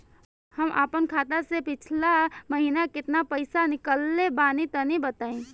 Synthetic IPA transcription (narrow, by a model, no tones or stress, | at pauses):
həmʔə̰pənkʰaːt̪asepɪt͡ʃʰlaməɦinakɪt̪napəɪsanɪkəlːebaːnit̪ənibət̪aĩ